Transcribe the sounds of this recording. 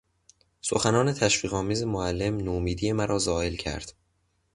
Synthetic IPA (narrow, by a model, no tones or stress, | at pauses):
so̰xænɒːne̞t̪ʰæʃviːɣɒːmiːzemoælːe̞mnoːmiːd̪ije̞mæɾʔɒːzɒːe̞lcʰæ̰ɾd̪̥